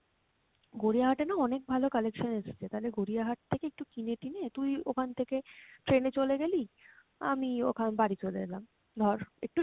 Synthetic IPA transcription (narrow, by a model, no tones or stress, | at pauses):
ɡoɾijaɦaʈenaɔnek̚bʱalokalekʃoneʃe̥t͡ɕʰet̪aɦoleɡoɾiaɦaʈ̚t̪ʰekeek̚ʈukineʈinet̪ujokʰant̪ʰekeʈɾenet͡ɕoleɡeli | a̰mio̰kʰanbaɽit͡ɕolḛd̪elam | d̪ʱɔɾḛk̚ʈu